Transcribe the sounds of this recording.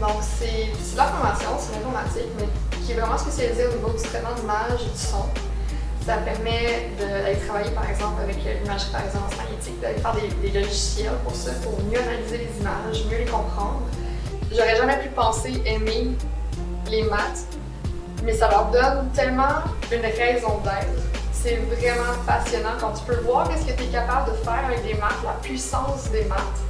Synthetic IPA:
d̪ɔ̃ksɛ | sɛd̪lafɔʁmasjɑ̃sɛnɛ̃fɔmat̪ɪkmɛkʲiɛvʁɛmɑ̃spesjalizeonivod̪ist̪χɛt̪mɑ̃d̪imaʒd̪ysɔ̃ | sapɛʁmɛd̪əd̪alet̪χavajepaʁɛɡzɑ̃plavɛkʰlimaʒə̥paʁɛzɑ̃ɑ̃smaʁjet̪ɪk̚d̪alefɛːʁd̪ed̪elɔʒisjɛlpuʁsapuʁmjøʁealizelezimaʒmjølekɔ̃pχɑ̃d̪ʁ | ʒɔʁɛʒamɛpypɑ̃seʔɛme | lemat̪ | mɛsalœʁd̪ɔnt̪ɛlmɑ̃ynʁɛzɔ̃d̪ɛːt̪χsɛvʁɛmɑ̃pasjɔnɑ̃kɑ̃t̪y̥pøləvwaːʁkʲɛskət̪ɛkapabləd̪əfɛːʁaɛkd̪emat̪lapɥisɑ̃sd̪emat̪

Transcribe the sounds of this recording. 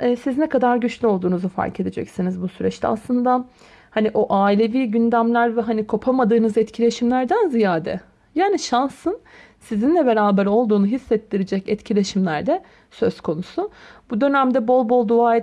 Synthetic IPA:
ɛːsiznɛkʰad̪aɾɟyt͡ʃlʲyo̞lˠd̪uːnuzufa̰ɾkʰe̞d̪ed͡ʒɛ̰csinizbusyɾɛt͡ʃt̪ʲɛ̰a̰slˠɯnd̪a | haniʔoʔaːilʲe̞viːɟynd̪æmlʲæɾvɛɦanikʰo̞pʰamad̪ɯːnɯzɛt̪cʰilʲe̞ʃimlʲæɾd̪ænzijaːd̪ɛ̰ | jaːniʃansɯn | sizinlʲɛbe̞ɾaːbɛɾo̞lˠd̪uːnuɦisːɛt̪ːiɾed͡ʒɛcɛt̪cʰilʲe̞ʃimlʲæɾd̪ɛ | sø̞z̥kʰo̞nusubud̪ø̞næmd̪ɛbo̞lˠbo̞lˠd̪uaːe

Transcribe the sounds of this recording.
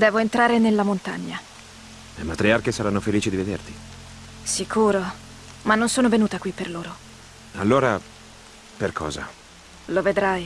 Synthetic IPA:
d̪ɛːvoent̪ɾaːɾenelːamont̪a̰ɲːa | lemat̪ɾiarkesaɾanːofeliːt͡ʃid̪ived̪ert̪i̥ | sikuːɾo | manːonsoːnovenuːt̪akwipːerloːɾo | alːoːɾa | perkʰɔ̰ːza̰ | loved̪ɾaj

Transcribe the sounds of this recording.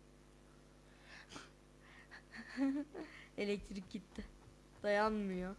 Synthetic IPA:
elʲɛc̚t̪ʰɾik̚ɟit̪ʰːɪ | d̪̥ajanmɯjo

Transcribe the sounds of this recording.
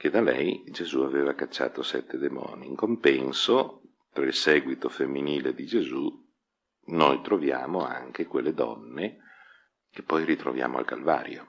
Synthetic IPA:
ked̪alɛ̰jd͡ʒezuaveːvakat͡ʃːa̰ːt̪osɛt̪ʰːed̪emɔ̰ːniːŋkompɛnso | t̪ɾailsɛːɡwit̪ofemːiniːled̪id͡ʒezu | nojt̪ɾovjaːmoa̰ŋkekwelːed̪ɔ̰nːe | kepːɔjrit̪ɾo̰vja̰ːmoa̰lkalva̰ːɾjo̰

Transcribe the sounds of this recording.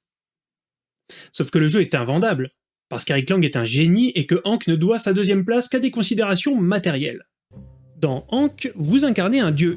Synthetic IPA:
sɔfkələʒøɛt̪ɛ̃vɑ̃d̪abl | paʁsə̥keʁiklɑ̃ɡɛt̪ɛ̃ʒeniʔekəʔɑ̃knəd̪wasad̪øzjɛmplaskad̪ekɔ̃sid̪eʁasjɔ̃mat̪ɛʁjɛ̰l | d̪ɑ̃ɑ̃kvuzɛ̃kaʁneɛ̃d̪jø

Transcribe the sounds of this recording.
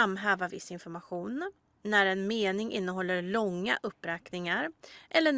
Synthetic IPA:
amːɦœːvavɪsːɪnfɔɾmaɧuːnː | æɾɛnmeːnɪŋʔɪ̰n̪ːəɦɔlːəɾlɔŋːa̰ʔɵpːɾɛːknɪŋaɾʔɛlːəɳ

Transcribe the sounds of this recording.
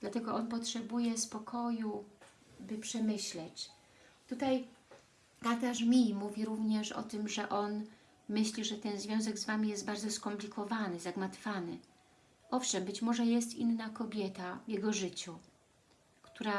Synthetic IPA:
d̪̥lat̪ɛɡɔʔɔnpɔtʂɛbujɛspɔkʰɔju | bɘpʂɛmɘɕlɛt͡ɕ | t̪ut̪aj | t̪at̪aʂmʲimuvʲiɾuvɲɛʂɔ̰t̪ɘmʐɛʔɔn | mɘɕlʲiʐɛt̪ɛnzvʲjɔ̃w̃zɛɡzvamʲijɛst̪̚baɾd̪zɔskɔmplʲikʰɔvanɘzaɡmat̪fanɘ | ʔɔfʂɛmbɘt͡ɕmɔʐɛjɛst̪ḭnːakɔbʲjɛt̪avjɛɡɔʐɘt͡ɕu | kt̪uɾa

